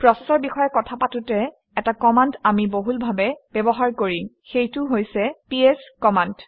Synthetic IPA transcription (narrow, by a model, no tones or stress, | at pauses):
pɹɔsɛsɔɹbixɔjɛkɔtʰapatʊtɛ | ɛtakɔmandamiboɦulbʱabɛb̥ɛbɔɦaɹkoɹixejtʊɦojsɛpieskɔmand